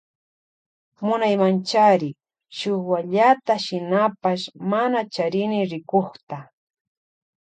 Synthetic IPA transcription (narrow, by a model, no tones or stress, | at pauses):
mʊnajmant͡ʃaɾɪ | ʃowaʎat̪aʃɪnapaʃmanat͡ʃaɾɪnɪɾɪkoχt̪a